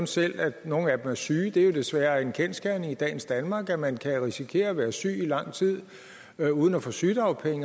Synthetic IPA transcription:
nsel̰æ̥no̝ːn̩æd̥emæɐsyːd̥e̝jo̝d̥e̝sʋæːɐe̝nkʰensɡ̥æɐneŋid̥ɛ̰ːn̩sd̥ænmɑ̈ːɡ̥æmænkʰæʁisikʰe̝̰ːɐːʋæːɐsy̰ːilɑ̈ŋ̰t͡sʰið̞̰ˠ | øuːð̞ˠn̩æfɔ̰syːd̥ɑ̈ʊpʰeŋə

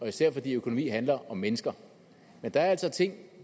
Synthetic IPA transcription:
ɒ̽isæɐ̰fɒ̽d̥ḭːøkʰo̝no̝mḭːɦænlɐʔɒ̽mːenəsɡ̥ɐ | mend̥ɑ̈æɐælsɒ̽t͡sʰe̝ŋ̰

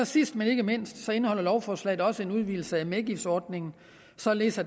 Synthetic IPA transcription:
ɒ̽sisd̥mene̝ɡ̥əme̝n̰sd̥sɒ̽e̝nəhɒ̽l̰ɐlɒʊfɒːslɛ̰ːð̩ˠɒ̽səe̝nuð̞ˠʋḭːl̩səæmeɡ̥ifd̥sɒːd̥̚ne̝ŋn̩ | sɒ̽lḛːsɐ

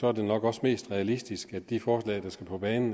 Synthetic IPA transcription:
sɒ̽æɐd̥e̝nɒ̽ɡ̥ɒ̽sme̝̰ːsd̥ʁɛælisd̥isɡ̥æd̥ifɒːslɛ̰ɪd̥ɑ̈sɡ̥æpʰɒ̽b̥ɛːnn̩

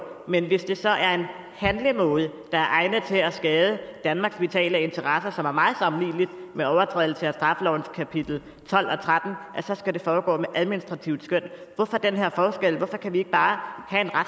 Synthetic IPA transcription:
menʋe̝sd̥e̝sɒ̽ʔæɐe̝n | hænlimɔ̰ːðˠəd̥ɑ̈æɐʔɑ̈ɪnət͡sʰe̝æsɡ̥ɛːð̞ˠəd̥ænmɑ̈ːɡ̥sʋ̥it͡sʰɛ̰ːlæe̝nt͡sʰɐʁɑsɐsɒ̽mæɐmɑ̈ːð̞̩ˠsɒ̽mlḭːlid̥meɒʊɐt͡sʰʁɛ̰ːðˠl̩sʰeæsd̥ʁɑ̈fəlɒʊ̰n̩skʰæpʰid̥l̩ | t͡sʰɒ̽l̰ɒ̽t͡sʰʁad̥n̩ʔæsɒ̽sɡ̥æd̥e̝fɒːɡ̥ɔ̰ːmeʔæð̞ˠminisd̥ʁɑ̈t͡sʰiʊ̰sɡ̥øn̰ʋɒ̽fɒ̽d̥enɦeɐ̰fɒːsɡ̥el̰ʋɒ̽fɒ̽kʰæʋie̝ɡ̥əb̥ɑ̈ːhæe̝nʁa

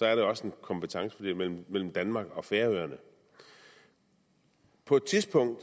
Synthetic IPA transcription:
sɒ̽æɐɾeɒ̽səe̝nkʰɒ̽mbpət͡sʰɑ̈ŋsəfɒ̽d̥ḛmel̰m̩mel̰m̩d̥ænmɑ̈ːɡ̥ɒ̽feɐøɐnə | pʰɒ̽d̥̚t͡sʰisb̥ɔ̽ŋ̰d̥

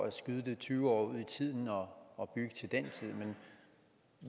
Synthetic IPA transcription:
æsɡ̥yð̞ˠəd̥e̝t͡sʰyːʊɒ̰ːuð̞̰ˠit͡sʰið̰ˠn̩ɒ̽ːb̥yɡ̥ət͡sʰe̝ld̥ent͡sʰið̞̰ˠmen

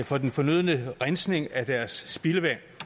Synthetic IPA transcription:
fɒ̽d̥enfɒ̽nøð̞̰ˠnəʁansne̝ŋæd̥æɐsːb̥iləʋæn

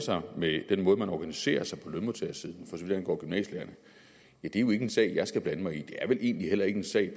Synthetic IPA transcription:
sɑ̈ɪmed̥enmɔ̽ːð̞̩ˠmænɒːɡ̥ænise̝̰ːɐsɑ̈ɪpʰɒ̽lønmot͡sʰeɐsið̞ˠn̩fɒ̽sɒʋið̥ˠhenɡ̥ɒ̰ːɡ̥ymnɛ̰ːɕleɐnə | jæd̥e̝jo̝e̝ɡ̥əe̝nsɛ̰ɪjɑ̈ɪsɡ̥æb̥lænəmɑ̈ɪid̥e̝æɐʋe̝lʔe̝ːnliɦel̰ɐe̝ɡ̥əe̝nsɛ̰ɪ̰

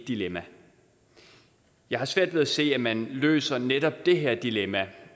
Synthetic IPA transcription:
d̥ilemæ | jɑ̈ɪhɑ̈sʋæɐ̰d̥ʋe̝ðˠæse̝̰ːæmænlø̰ːsɐneɾ̥ɒ̽b̥̚d̥e̝ɦeɐ̰d̥ilemæ

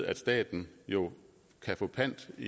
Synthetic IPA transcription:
æd̥sd̥ɛ̰ːd̥n̩jo̝ | kʰæfɔ̰̽ːpʰæn̰d̥i

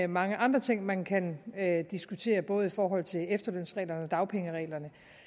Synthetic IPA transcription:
mɑ̈ŋəʔɑ̈nd̥ʁɐt͡sʰe̝ŋ̰mænkʰænd̥isɡ̥ut͡sʰe̝̰ːɐb̥ɔ̽ːð̞̩ˠifɒːɦɒ̽l̰t͡sʰe̝lefd̥ɐløn̰sʁɛ̰ːlɐnəɒ̽d̥ɑ̈ʊpʰeŋəʁɛ̰ːlɐnə

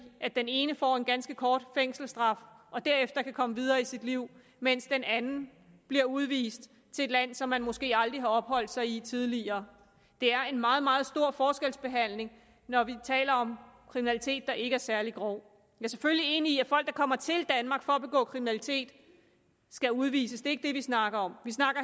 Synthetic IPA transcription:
ʔæd̥ene̝ːnəfɒ̰e̝nɡ̥ænsɡ̥əkʰɒːd̥feŋ̰sl̩sd̥ʁɑ̈fʔɒ̽d̥æɐ̰efd̥ɐkʰækʰɒ̽məʋið̞ˠɐːisid̥liʊ̰ | men̰sd̥enænn̩ | b̥liɐuð̞ˠʋḭːsd̥ | t͡sʰe̝e̝d̥læn̰sɒ̽mːænmo̽sɡ̥e̝̰ːɑ̈ld̥ʁiɦɑ̈ɒ̽b̥ɦɒ̽l̰d̥sɑ̈ɪit͡sʰið̞ˠliɐː | d̥e̝æɐe̝nmɑ̈ːð̞̩ˠmɑ̈ːð̞̩ˠsd̥o̝ɐ̰fɒːsɡ̥elsb̥e̝ɦæn̰le̝ŋ | nɒʋit͡sʰɛ̰ːlɐɒ̽mkʰʁiminælit͡sʰe̝̰ːd̥ːɑ̈ʔe̝ɡ̥əæɐsæɐliɡ̥ʁɔʊ | jæɐs̬eføllie̝ːniːæfɒ̽l̰ɡ̥̚d̥ɑ̈kʰɒ̽m̰ɐt͡sʰe̝ld̥ænmɑ̈ːɡ̥fɒ̽ːb̥e̝ɡ̥ɔ̰ːkʰʁiminælit͡sʰe̝̰ːd̥ | sɡ̥æuðˠʋḭːsəsd̥e̝e̝ɡ̥əd̥e̝ʋisnɑ̈ɡ̥ɐɒ̽mʋisnɑ̈ɡ̥ɐ

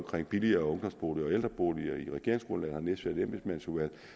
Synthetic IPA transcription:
mkʰʁeŋ̰b̥iliɐɔ̽ŋd̥ɒ̽msb̥o̝ːliɒeld̥ʁɐb̥oːliɐiʁɛɡ̥e̝ɐeŋsɡ̥ʁɔ̽nlæn̩hɑ̈nesd̥ʋæɐd̥en̰b̥esmænsuʋæl̰

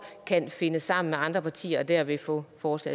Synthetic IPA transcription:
kʰænfe̝nəsːɑ̈m̰n̩meɑ̈nd̥ʁɐpʰɑ̈t͡sʰḭːɐɒd̥æɐʋe̝fɔ̰̽ːfɒːslɛ̰ː

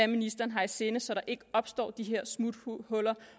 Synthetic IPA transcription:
æminisd̥ɐːn̩ɦɑ̈ise̝ːnəsɒ̽ɾ̥ɑ̈ʔe̝ɡ̥əɒ̽b̥sd̥ɔ̰ːd̥iɦeɐ̰smud̥hɔ̽lɐ

